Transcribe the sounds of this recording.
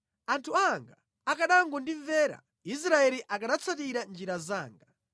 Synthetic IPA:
antʰuaŋɡaː | kaɗaŋɡɔndivɛːɾa̰ | is̬ɾaɛɾiʔakaɗat͡sʰat̬iɾand͡ʒiɾaza̰ːŋɡa

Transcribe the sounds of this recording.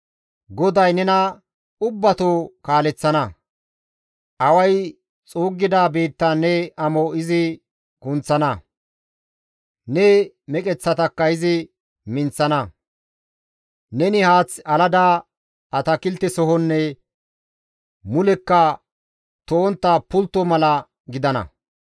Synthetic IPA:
ɡɔd̪ɐjnɛnɐ | ʊbːɐt̪oːkaːlɛt͡sːɐnɐ | ʔɐwɐj | t͡sʼoːɡːɪd̪aːbe̞ːt̪ːanɛɐmoɪzɪ | kʊnt͡sːɐnɐ | nɛ | mɛkʼɛt͡sːɐt̪ɐkːɐɪzɪ | mɪnt͡sːɐnɐ | nɛnɪhaːt͡sːɐlɐd̪aː | ʔɐt̪ɐkɪlt̪ːɪsɔɦɔnːɛ | mʊlɛkːɐ | t̪oːnt̪ːɐpʊlt̪ːɔmɐlɐ | ɡɪd̪ɐnɐ̰

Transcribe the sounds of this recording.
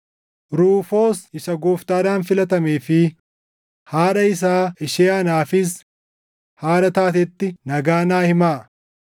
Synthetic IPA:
ɾuːfo̞ːsɪsɐɡoːft̪aːd̪aːnfɪlɐt̪ɐmeːfɪ | haːᶑɐɪs̬aːʔɪʃeːɐnaːfɪs̬ | haːɾɐt̪aːt̪̬ɛt̪ːɪnɐɡaːnaːhɪmaː

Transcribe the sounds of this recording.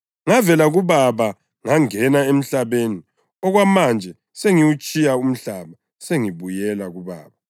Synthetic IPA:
ŋavɛlaɣuβaβa | ŋaŋɛnaem̩ɬaβeni | ɔɣwamand͡ʒʱɛ | seŋiwut͡ʃʼijaum̩ɬaβa | seŋiβujɛlaɣuβa̰ːβa

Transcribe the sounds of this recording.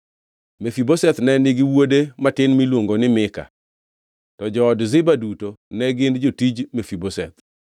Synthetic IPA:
mefibosɛt̪nɛnɪɡɪwodematɪnmilwoŋɡonɪmɪka̰ | tɔd͡ʒɔːdzɪbadutonɛɡɪndd͡ʒotid͡ʒmefibosɛt̪̚

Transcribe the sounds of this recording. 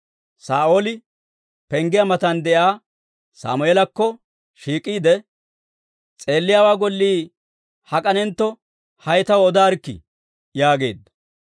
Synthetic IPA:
saːʔoːlɪ | pɛŋɡɪjɐmɐt̪ɐnd̪ɛʔjaː | sa̰ːmʊeːlɐkːɔ | ʃiːkʼːiːd̪ɛ | t͡sʼeːlːɪjaːwaːɡɔlːiː | hɐkʼɐnɛnt̪ːɔ | hɐjt̪ɐwɔd̪aːɾkːɪ̰ | jaːɡe̞̰ːd̪ːɐ̥

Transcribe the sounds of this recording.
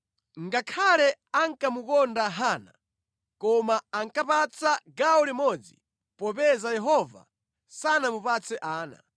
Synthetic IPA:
ŋɡakʰalɛaŋkamukɔndaɦana̰ | kɔmaaŋkapat͡sʰaɡaɔlimɔd͡zḭ | pɔpɛzajɛɦɔva̰ | sanamupat͡sʰɛʔaːna̰

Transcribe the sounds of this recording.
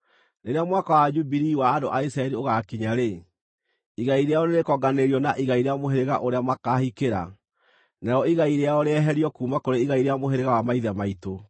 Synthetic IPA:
neɾeamwakawad͡ʒubiɾiwaːndoʔaisɾaɛɾioɣakiɲaɾe | iɣaiɾeajɔneɾekɔɡaneɾiɔnaʔiɣaiɾeamoɦeɾeɣa̰ʔoɾeamakahikeɾa̰ | naɾɔiɣaiɾeaɔɾeɛɦɛɾiɔkuːmakoɾeiɣaiɾeamoɦeɾeɣawamaiðamaito

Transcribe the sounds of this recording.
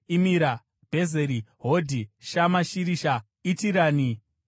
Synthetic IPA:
imiɾa | b̥ʱe̞zeɾiɦodʱiʃamaʃiɾiʃa | itiɾaːni

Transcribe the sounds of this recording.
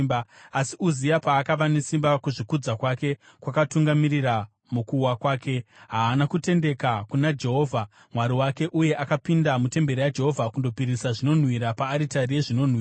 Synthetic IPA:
baasiuzijapaːkaʋane̞simbakuʐikud͡zakwake̞ | kwakatuŋɡamirira | mukuwakwaːke̞ɦaːnakute̞nde̞kakunad͡ʒe̞ɦo̞ːvʱa | mwaɾiwake̞ʔuje̞ʔakapindamute̞mbe̞ɾijad͡ʒe̞ɦo̞vʱakundo̞piɾisaʐino̞n̤wiɾapaːɾitarijeʐino̞n̤wiːa

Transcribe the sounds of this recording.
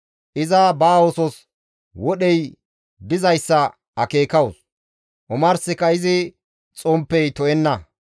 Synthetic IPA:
ʔɪzɐbaːɔsɔs | wɔɗɛj | d̪ɪzɐjsːɐ | ɐke̞ːkɐwʊs | ʔʊmɐɾsɪkɐɪzɪ | t͡sʼɔmpːɛjt̪ɔɛnːɐ

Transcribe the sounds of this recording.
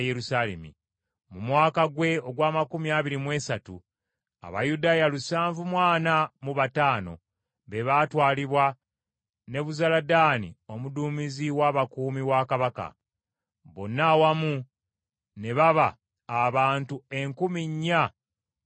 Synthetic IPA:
jeɾusaːlḛmḭ | mumwaːkaɡwe̞o̞ɡwaːmakumiaːβiɾimwe̞ːsatṵ | a̰βa̰judaːjalusaːɱvumwaːnamuβataːno̞̰ | βe̞βaːtwaːliβwa | ne̞βuzaladaːnḭo̞muduːmiziwaːβakuːmiwakaβaka̰ | βo̞nːawamu | ne̞βaβaː | βaːntue̞ŋkumiɲːa

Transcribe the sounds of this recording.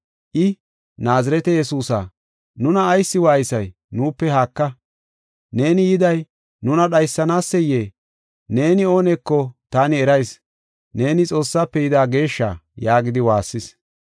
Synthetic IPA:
ʔɪ | naːzɐɾɛt̪ɛjɛsuːsa̰ː | nʊnɐːjsːɪwaːjɪsɐj | nuːpːɛhaːkːɐ | ne̞ːnɪjɪd̪ɐj | nʊnɐɗɐjsːɐnaːsːɛjeː | ne̞ːnɪo̞ːnɛkːɔt̪aːnɪɛɾɐjs | ne̞ːnɪt͡sʼo̞ːsːaːpːɛjɪd̪aːɡe̞ːʃːa̰ːjaːɡɪd̪ɪwaːsːɪs

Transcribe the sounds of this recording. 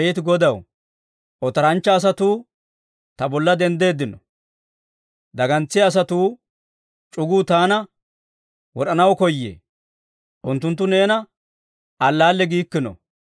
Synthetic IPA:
jɛt̪ɪɡɔd̪ɐw | ɔt̪ɐɾɐnt͡ʃːɐːs̬ɐt̪uː | t̪ɐbɔlːɐd̪ɛnd̪e̞ːd̪ːɪnɔ | d̪ɐɡɐnt͡sːɪɐs̬ɐt̪uː | t͡ʃʼʊɡuːt̪aːnɐ | wɔɗɐnɐwkɔjːḛː | ʔʊnt̪ːʊnt̪ːʊne̞ːnɐ | ʔɐlːaːlːɛɡiːkːɪnɔ̰

